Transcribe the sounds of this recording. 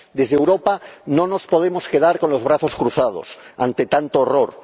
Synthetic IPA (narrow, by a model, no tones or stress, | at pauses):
d̪e̞zðewɾopanõ̞no̞spo̞ðe̞mo̞ske̞ðaɾko̞nlo̞zβ̞ɾaθo̞skɾuθað̞o̰sa̰nt̪e̞t̪ant̪oːroɾ